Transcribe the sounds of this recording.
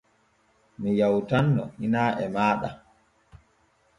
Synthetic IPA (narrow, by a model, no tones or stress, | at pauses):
mijawtanːɔhinaːʔɛmaːɗa̰